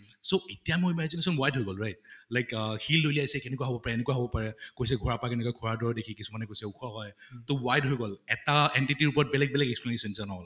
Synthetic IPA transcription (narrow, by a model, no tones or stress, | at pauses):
soetijamʊɹimɛzinesɔnwajdʱɦojɡɔlɹajt̚lajkhilːoliajsɛkɛnɛkuwaɦobɔpaɹɛenɛkuwaɦobɔpaɹɛkojs̬ɛɡʱɔɹapakɛnɛkɔjɡʱɔɹaɹdɔɹɔdekʰikisumanɛkojsɛukʰɔɦɔjtowajdɦojɡɔlɛtaɛntitiɹupɔɹɔt̚bɛlɛɡ̚bɛlɛɡɛksplenesɔnsanɔɦɔl